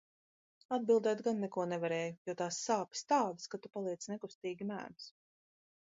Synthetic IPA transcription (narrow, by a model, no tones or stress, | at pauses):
ad̪̚bilˠd̪ɛːt̪ɡanːɛkuɔnɛvaɾɛːjujuɔt̪aːsːaːpi̥st̪aːd̪askat̪upalˠiɛt̪snɛkust̪iːɡʲimæ̰ːms